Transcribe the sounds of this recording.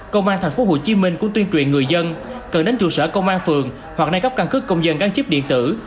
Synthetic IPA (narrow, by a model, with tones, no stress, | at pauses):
kə˧wŋ͡mʔaː˧t̪ʰjŋ̟fo˨˦ɦo̰˧˩t͡ɕi˨˦mï˧ŋ̟kʊ˧˥ŋ͡mt̪wi˧nt͡ɕwḭ˧˨nŋɨ˨˩əjzə˧nkə˨˩nɗe˨˦nt͡ɕṵ˧˩səː˧˩kə˧wŋ͡mʔaː˧nfɨ˨˩əŋ | hwa˨˩k̚na˧jɣə˦˥p̚ka˧nkɨ˦˥kːə˧wŋ͡mzə˧nkaː˧˥nt͡ɕi˦˥p̚ɗḭ˧˨ənt̪ɨ̰˧˩